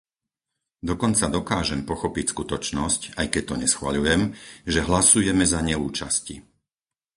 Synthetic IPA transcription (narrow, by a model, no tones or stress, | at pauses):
d̪ɔkɔnt͡sad̪ɔkaːʒɛmpɔxɔpicskut̪ɔt͡ʃnɔscajkɛc̚t̪ɔɲɛsxʋa̰ʎujɛmʒɛɦlasujɛmɛzaɲɛuːt͡ʃascḭ